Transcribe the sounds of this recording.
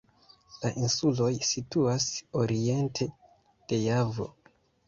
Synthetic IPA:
laʔinsulo̞jsituaso̞ɾie̞ntʰe̞ | d̥e̞javo̞̰

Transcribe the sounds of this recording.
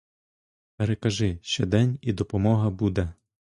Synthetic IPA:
peɾekɐʒɪʃt͡ʃɛd̪ɛnʲid̪ɔpɔmɔɦɐbud̪ɛ

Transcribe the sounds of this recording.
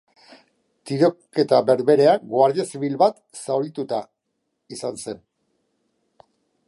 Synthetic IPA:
t̪iɾo̞ke̞t̪aβe̞ɾβe̞ɾe̞aɡwaɾðesiβilβat̪ | sawɾit̪ut̪a | isanse̞n

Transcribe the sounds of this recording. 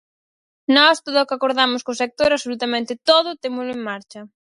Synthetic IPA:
nɔst̪oðʊokakoɾðamʊskʊsek̚t̪oɾaβsolut̪amẽnt̪ɪt̪oð̞ʊt̪emʊslʊeŋmaɾt͡ʃɐ

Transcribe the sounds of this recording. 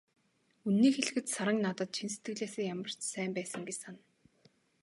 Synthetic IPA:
unːiːxeɮ̆xɘ̆t̪saɾə̆ŋnat̪ə̆t̪̚t͡ɕʰins̬e̥t̪ɡɘ̆ɣɮeːseːjamə̆r̥t͡ɕsæːmpæːsə̆ŋɡet͡ɕsan

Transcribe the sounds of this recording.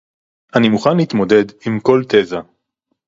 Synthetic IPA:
ʔanimuχanliːt̪mo̞d̪e̞d̪imko̞lt̪eza

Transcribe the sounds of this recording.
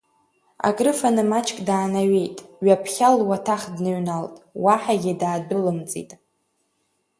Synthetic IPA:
a̰kʼrɨfanɨmat͡ʃʰʼkʼdaːnaɥejtʼɥapʰχʲalwatʰaχdnɨɥnaltʼwaħaɡʲɪdaːdɨlɨmt͡sʼḭtʼ

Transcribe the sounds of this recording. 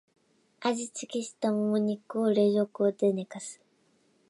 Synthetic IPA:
aʑit͡sɨkʲeɕi̥t̪amomoɲ̟ikɯoɾe̞ʑokɯ̟od̪ene̞kasɨ̥

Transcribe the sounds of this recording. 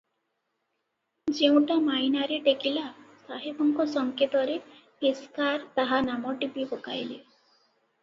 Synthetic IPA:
d͡ʒeũʈamainaɾeʈekilasaɦebʱɔŋkɔsɔŋket̪ɔɾe | piskaɾt̪aɦanamɔʈipipokajle

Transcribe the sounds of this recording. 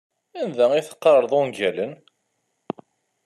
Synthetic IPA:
ænðæiθə̥qːəɾˤɾˤðˤonɡælən

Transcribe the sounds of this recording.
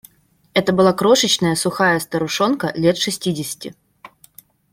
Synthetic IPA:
ɛt̪əbɨlˠakɾo̞ʂət͡ɕnəjəsʊxajəst̪əɾʊʂo̞nkəlʲet̪ʂɨsʲtʲidʲɪsʲɪ̥tʲɪ

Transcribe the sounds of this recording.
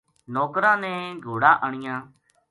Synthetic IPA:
nɔːkɾãːnẽːɡʱoːɽaːʔəɳ̃ɪjãː

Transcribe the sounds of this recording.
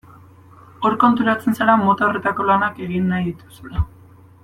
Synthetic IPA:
o̞ɾko̞nt̪uɾat͡se̞nsalamo̞t̪aore̞t̪ako̞lanake̞ɣinːajðit̪usula

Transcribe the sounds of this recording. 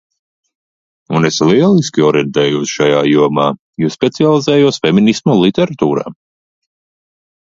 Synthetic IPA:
unesliɛlˠiskʲiɔɾjɛnt̪ɛːjuːsʃajaːjuɔmaː | juspʲɛt̪sialˠizɛːjuɔsfɛminismulˠit̪ɛɾat̪uːɾa̰ː

